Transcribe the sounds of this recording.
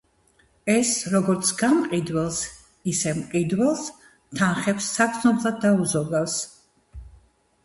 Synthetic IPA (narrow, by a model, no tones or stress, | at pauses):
ɛsɾɔɡɔɾt̪sʰɡamqʼid̪wɛlˠs | isɛmqʼid̪wɛlˠs | t̪ʰanχɛpsːak̪sʰnɔblˠad̪̚ːauzɔɡafs